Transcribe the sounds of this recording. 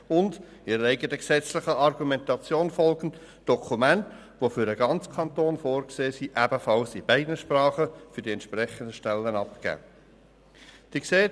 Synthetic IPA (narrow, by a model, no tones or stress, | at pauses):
ʊnd | ɪɾəæɪɡətəksɛt͡slɪχəɑrɡumɛntɑt͡sjoːnfɔlɡ̥n̩ | d̥ɔkʰumænt | ʋofʏɾdəɡɑnt͡skʰɑntoːnfoːɾkseːsiʔæb̥əfɑlsɪb̥æɪdnəʃprɑːχəfʏɾdiɛntt͡ʃʃprɛχəndəʃtɛlːənɑpkæ̰ː | d̥iːkseː